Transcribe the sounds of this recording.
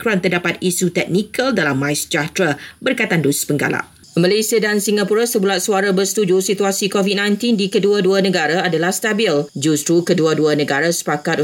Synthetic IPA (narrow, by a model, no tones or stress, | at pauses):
kɾuant̪ərdapat̪isut̪ɛk̚nikəldalamːajsd͡ʒat̪ɾabərkajt̪anduspəŋɡa̰la̰ʔ | mə̃lesiadansiŋɡapuɾasəbulat̪̚suaɾabərsə̥t̪ud͡ʒusit̪uasikovit̚nãjnt̪indikəduaduanə̃ɡaɾaadalahst̪abild͡ʒust̪ɾukəduaduanə̃ɡaɾasə̥pakat̪